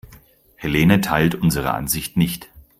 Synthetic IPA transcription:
heleːnətʰaɪltʔʊnzəʁ̞ə̰ʔa̰nzɪçtnɪçt

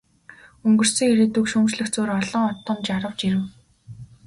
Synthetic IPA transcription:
ɵŋɡɵ̆r̥sɘ̆ŋeɾeːt̪ɵkʃɵmt͡ɕɮɘ̆xt͡suːɾɔɮɞ̆ŋɔt̪ːɞ̆mt͡ɕaɾə̆wt͡ɕiɾɘ̆w

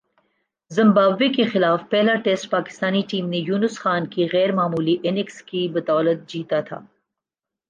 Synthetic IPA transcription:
zɪ̃mbaːbekexɪlaːfpɛɦlaʈeːsʈpaːkɪ̥st̪aːniʈiːmnejuːnʊsxaːnkiɣɛːɾmaːmuːliʔɪnɪkskibɐt̪ɔːlət̪̚d͡ʒiːt̪at̪ʰa̰ː

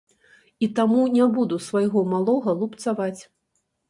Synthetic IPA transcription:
it̪amunʲɛbud̪usvajɣɔmalˠɔɣɐlˠupt̪savat͡sʲ

